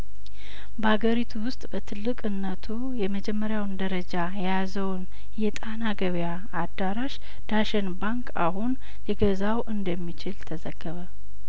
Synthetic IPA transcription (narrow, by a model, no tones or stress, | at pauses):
bəhaɡəɾit̪ʰuwʊst̪ʼbət̪ʰɨlːɨkʼɨnːət̪ʰu | jɛməd͡ʒɛmːəɾjawnd̪əɾəd͡ʒajɛjazəwn | jɛt̪ʼanaɡəβjaː | d̪ːaɾaʃ | d̪̥aʃɛnbaŋkʰa̰ɦun | liɡəzawʔɨnd̪əmːit͡ʃɪlt̪ʰəzəɡ̥ːəβə